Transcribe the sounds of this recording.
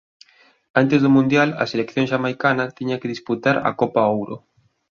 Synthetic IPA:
ant̪ezðʊmũnd̪jalɐ̰selekθjõŋʃamajkanɐt̪iɲakɪðisput̪aɾɐ̰kopaowɾʊ̰

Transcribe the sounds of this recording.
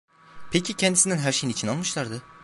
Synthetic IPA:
pʰecʰicʰɛnd̪isinænɦæɾʃejinit͡ʃʰinalˠmɯʃlˠaɾd̪ɯ

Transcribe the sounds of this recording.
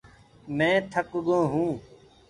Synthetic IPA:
mɛ̃ːt̪ʰəkɠõːɦũː

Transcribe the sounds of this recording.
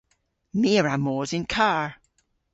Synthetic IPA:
miːəɹamɔːzɪnkʰaːɹ

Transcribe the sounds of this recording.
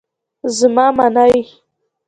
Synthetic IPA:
zmɑmanaj

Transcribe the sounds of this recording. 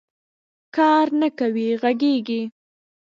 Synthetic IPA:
kɑɾnakawiɣaɡeɡi

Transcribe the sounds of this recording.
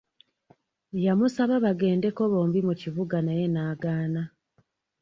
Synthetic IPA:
jamusaβaβaɡe̞ːnde̞ko̞βo̞ːmbimuciβuɡanaje̞naːɡaːna

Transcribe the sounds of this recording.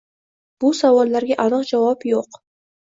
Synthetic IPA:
b̥ʊsavɒlˠːaɾɡʲaʔɒnɨqd͡ʒavɒpjoq

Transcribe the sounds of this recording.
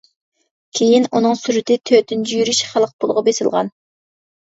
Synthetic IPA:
kʲʰejinunɨŋsyɾɪt̪ɪt̪ʰøt̪ʰynd͡ʒyjyɾyʃχælˠəq̚bolˠʊʁɑbesɪlˠʁɑ̰n

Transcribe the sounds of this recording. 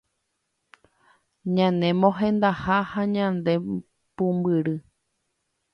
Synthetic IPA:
ɲãnẽ̞mõɦẽ̞nd̪ahahaɲãnd̪e̞ | pũmbɨɾɨ

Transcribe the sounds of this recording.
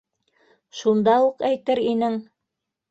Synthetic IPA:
ʃund̪ɑuqæjt̪ɘɾinɘŋ

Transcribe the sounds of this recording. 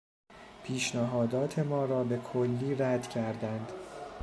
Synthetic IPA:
pʰiːʃnæɦɒːd̪ɒːt̪ʰe̞mɒːɾɒːbe̞kʰolːiːɾæd̪cʰæɾd̪ænd̪̥

